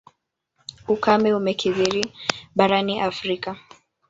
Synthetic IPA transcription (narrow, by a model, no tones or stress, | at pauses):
ukamɛumɛkʰiðiɾiɓaɾaniʔafɾika